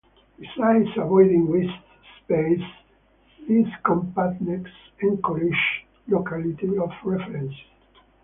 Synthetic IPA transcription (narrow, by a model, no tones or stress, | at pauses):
bisajdsavɔjd̪ĩŋwist | spejs | iskɔ̃mpat̪nɛks | ɛ̃ŋkɔɾiʃ | lokalit̪iɔfɹɛfɹɛ̃ns